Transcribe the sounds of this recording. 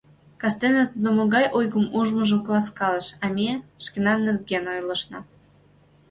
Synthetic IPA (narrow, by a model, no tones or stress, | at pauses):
kɑst̪enət̪ud̪omoɣɑjʔojɣəmuʒməʒəmklɑskɑləʃɑmʲeʃkʲenɑnːerɡenojlə̆ʃnɑ